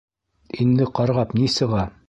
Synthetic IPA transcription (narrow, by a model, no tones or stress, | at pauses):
ind̪ɘqɑɾʁɑpnisɤ̆ʁɑ